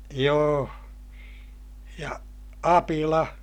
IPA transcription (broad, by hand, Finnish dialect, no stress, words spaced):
joː jɑ ɑpilɑ